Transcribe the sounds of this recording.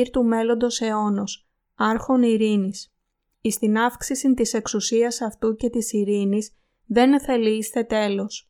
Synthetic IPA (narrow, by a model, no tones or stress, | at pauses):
iɾt̪ume̞lo̞nd̪o̞se̞o̞no̞s | ɐɾxo̞niɾinis | ist̪inɐfksisint̪ise̞ksusiɐsɐft̪uce̞t̪isiɾinis | ðe̞nθe̞liist̪e̞t̪e̞lo̞s